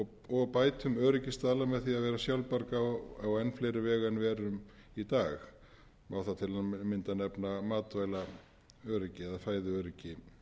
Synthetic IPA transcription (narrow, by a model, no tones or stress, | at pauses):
ɔɣpaːjt̪ʰʏmœːɾɪcɪst̪aːlamɛðθiaðvɛːɾasjawlpaɾkaaɔɛnfleːjɾɪvɛːɣanvɛːɾʏm | it̪aːx | mawθat̪ʰɪlaðmɪnt̪anɛpnamaːt̪vajla | œːɾɪcɪɛðafaːjðʏœːɾɪcɪ